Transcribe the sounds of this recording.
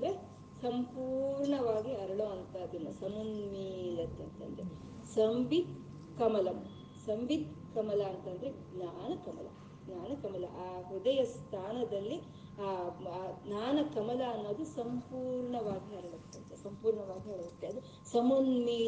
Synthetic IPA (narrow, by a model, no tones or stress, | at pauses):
d̪ɐɾe | sɐmpuːɾɳɐʋaːɡiɐɾɐɭoɐnt̪ɐːd̪inːɐsɐmunmiːlɐt̪ːeɐnt̪eɐ̰nd̪ɾe | sɐmʋit̪̚ | kɐmɐlɐm | sɐmʋit̪̚kɐmɐlɐːnt̪ɐnd̪ɐɾe | naːnɐkɐmɐ̰lɐ̰ | naːnɐkɐmɐlɐ̰ʔaːɦud̪ɐjɐst̪ʰaːnɐd̪ɐlːi | a | naːnɐkɐmɐlɐːnːo̞ːd̪usɐmpuːɾɳɐʋaːɡiɐɾɐɭɐt̪ːeɐnt̪esɐmpuːɾɳɐʋaːɡiɐɾɐʋɐt̪ːeɐd̪u | sɐmunmiː